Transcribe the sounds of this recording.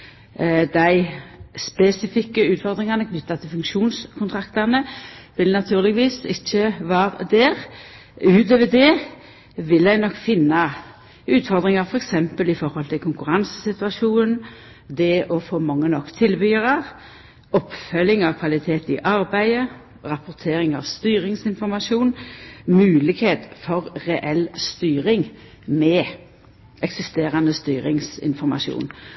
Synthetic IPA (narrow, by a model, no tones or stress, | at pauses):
d̪æɪspɛsɪfɪkːəʉːt̪fɔʁd̪ɾɪŋɑnəkʰnʏt̪ːɑt̪ʰɪlfʉŋkʃuːnskʰʊnt̪ʰɾɑkt̪əʁnəʋɪlnɑt̪ʰʉːʁlɪɡʋiːsɪçːəʋɑːʁəd̪ɛːʁ | ʉːt̪øːʋəd̪ɛː | ʋɪld̪æɪnɔkːfɪnːɑ | ʉːt̪fɔʁd̪ʁɪŋɑɾfɔɾɛksɛmpəlɪfɔɾhɔlt̪ʰɪlkʰʊŋkʉɾɑnsə̥sɪt̪ʉɑʂuːnn̩ | d̪ɛʔɔfoːmɑŋːənɔkːt̪ʰɪlbyːʁɑʁ | ɔpfœlɪŋɑʋkʰʋɑlɪt̪ʰeːt̪ɪʔɑɾbæɪə | ʁɑpʊʁt̪ʰeːɾɪŋɑʋst̪yːɾɪŋsɪnfɔɾmɑʂuːnmʉːlɪkheːt̪fɔʁʁɛʔɛlst̪yːɾɪŋ | mɛ | ɛksɪst̪eːɾɑnəst̪yːɾɪŋsɪ̰nfɔɾmɑ̰ʃṵːn